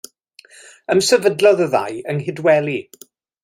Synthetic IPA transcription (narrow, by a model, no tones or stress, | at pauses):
əmsəvədlɔðəða̰jəŋɦɪdwɛlˠi